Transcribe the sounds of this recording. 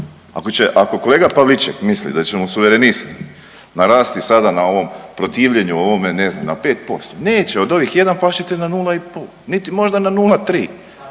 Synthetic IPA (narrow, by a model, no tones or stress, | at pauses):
a̰ko̞t͡ɕe̞ʔako̞ko̞leːɡapaʋlit͡ʃḛkmislḭd̪at͡ɕemosuʋeɾenist̪i | naɾaːst̪isad̪anao̞ʋo̞mpɾo̞t̪iːʋʎe̞ɲuo̞ʋo̞mene̞zna̰mnape̞ːt̪̚po̞st̪one̞ːt͡ɕeod̪o̞ʋixje̞d̪anplaʃit̪inanuːlˠaipol | nit̪imo̞ʒd̪ananuːlat̪ɾiː